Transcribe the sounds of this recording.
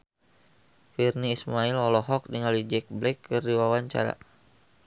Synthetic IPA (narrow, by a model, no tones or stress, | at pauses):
firniːsmailɔlɔɦɔk̚diŋalid͡ʒɛk̚blɛkːɨrdiwawaɲt͡ʃa̰ɾa̰